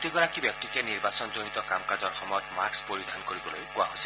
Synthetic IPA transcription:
tiɡɔɹakibjɔk̚tikɛniɹbasɔnzonitɔkamkazɔɹxɔmɔjɔtmaɹkspoɹidʱankoɹibɔlo̰jkʊa̰ɦojsɛ̥

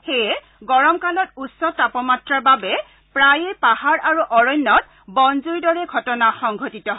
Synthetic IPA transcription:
xejɛ | ɡɔɹɔmkalɔtusːɔtapɔmatɹaɹbabɛ | pɹajepahaɹʔaɹuʔɔɹɔjnːɔt | bɔnzuɹidɔɹɛɡʱɔtɔnaxɔŋɡʱotitɔɦ

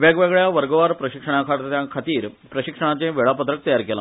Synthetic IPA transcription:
ʋeɡʋeɡɭjaʋəɾɡəʋaːɾpɾɐɕikʂəɳ̃akʰaɾt̪t̪jãkʰat̪iːɾpɾəɕikʂəɳ̃at͡ɕẽʋeɭaːpət̪ɾək̚t̪ɐjaɾkɛla

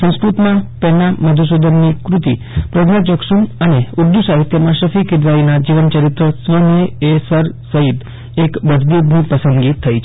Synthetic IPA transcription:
sə̃w̃skɾut̪mãpɛnaməd̪ʱus̬ud̪ʱənːikɾut̪i | pɾəd̪nəd͡ʒəksuməneuɾd̪usaɦit̪jəmãʃəfikɪd̪ɾainad͡ʒiʋənt͡ʃəɾit̪ɾəsʋəneesəɾsəɦit̪ | ekʋəsd̪id̪nipəsə̃nɡit̪ʰːəit͡ʃʰ

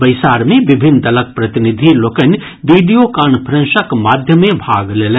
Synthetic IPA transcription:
bɐjsaːɾmẽʋɪbʱɪnd̪ɐlək̚pɾɐt̪ɪnɪd̪ʱiloːkən | ʋiɖijokaːnpʰɾɐ̃nʃəkmaːd̪ʱjəmẽbʱaːɡleːlẽ

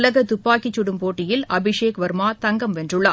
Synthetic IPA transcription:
lɐɣɐt̪ʊpːaːkɪt͡ʃːʊɽɯmpoːʈːɪjɪlɐbɪʂeːkʋɐɾmaːt̪ɐŋɡɐmʋɛndrɯɭːɐ

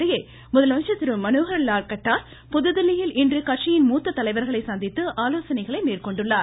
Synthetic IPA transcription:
ɐjɐ | mʊðɐlʋɐnt͡ʃɐt̪ːɪɾɯmːɐnoːɣɐɾlaːɾkɐʈːaːɾ | pʊðɯðɪlːɪjɪlʔɪndrɯkɐʈʂɪjɪnmuːt̪ːɐt̪ːɐlɐɪʋɐɾɣɐɭɐɪsɐnd̪ɪt̪ːɯʔaːloːsɐnɐɪɣɐɭɐɪmeːrkɔɳɖɯɭːaːɾ

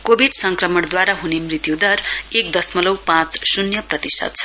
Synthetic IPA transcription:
kobʱiɖsʌŋkrʌmʌɽ̃d̪waɾaɦunemrit̪jud̪ʌrek̚d̪ʌsmʌlʌwpãt͡ssunjʌprʌt̪isʰʌ̰t̪̚t͡sʰʌ̥

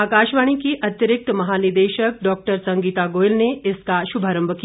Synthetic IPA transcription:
aːkaːʃʋaːɽ̃ikiʔɐt̪jəɾɪk̚t̪mɐɦaːniɾd̪eːʃək̚ɖɔːk̚ʈəɾsɐŋɡiːt̪aɡoːjlneɪskaʃubʱaːɾəmbʱək

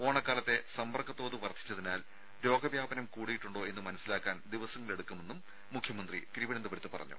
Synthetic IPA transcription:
o̞ːɳɐkːaːlɐt̪ːe̞sɐmbɐrkʰːɐt̪ːo̞ːðuʋɐrd̪ʰʱːi̥t͡ɕːɐðinaːl | ɾo̞ːɡɐbjaːbɐnɐmkuːɽijiʈːuɳɖo̞ːe̞nːɨmɐnɐsːilaːkːaːnd̪iʋɐsɐŋːɐɭe̞ɽukːume̞nːumː | ukʰjɐmɐnd̪rḭkɾiʋɐnɐnd̪ɐʋɐɾɐt̪ːɨpɐ̰rɐ̰ɲːṵ

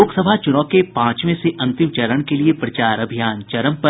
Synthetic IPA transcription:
oːksəbʱat͡ʃʊnɔːkepãːt͡ʃmẽseʔɐ̃nt̪ɪmt͡ʃɐɾəɽ̃keliepɾɐt͡ʃaːɾɐbʱijaːnt͡ʃɐɾəmpɐ

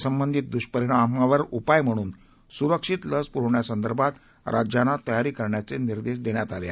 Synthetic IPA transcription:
səmbənd̪ʱiːt̪̚d̪uɕpəɾiɳ̃amaʋəɾupajm̤əɽ̃uːn | suɾəkʂit̪ləspuɾɳjasənd̪əɾbʱat̪ | ɾʔad͡ʑjanat̪əjaɾiːkəɾɳjat͡seniɾd̪eɕ̬d̪eɳ̃jat̪ale

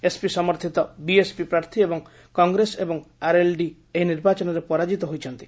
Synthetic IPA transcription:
espisɔmɔɾt̪ʰit̪ɔbiespipɾaɾt̪ʰiebɔŋ | kɔŋɡɾesebɔŋaɾelɖi | eɦiniɾbat͡ʃɔnɔɾepɔɾad͡ʒit̪ɔɦojt͡ʃʰɔnt̪i̥

